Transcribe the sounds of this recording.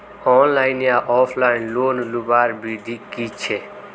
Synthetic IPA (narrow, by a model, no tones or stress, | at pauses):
ɔnlaɪnjaʔɔpʰlaɪnloːnlubaɾbid̪ʱikit͡ʃʰe